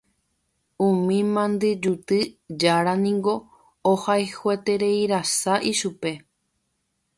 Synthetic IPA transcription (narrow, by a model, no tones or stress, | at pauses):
ũmĩmãnd̪ɨd͡ʒut̪ɨd͡ʒaɾanĩŋɡo̞ː | hajhwet̪e̞ɾe̞jɾasaʔiʃupe̞